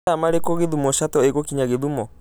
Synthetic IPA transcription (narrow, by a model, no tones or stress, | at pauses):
amaɾekɔɣeðumɔʃatɔeɣokiɲaɣeðumɔ